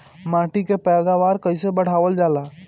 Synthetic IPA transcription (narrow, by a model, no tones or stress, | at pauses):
mãːʈikepɛːd̪aʋaːɾkəɪsebəɽ̤aːʋəld͡ʒaːlaː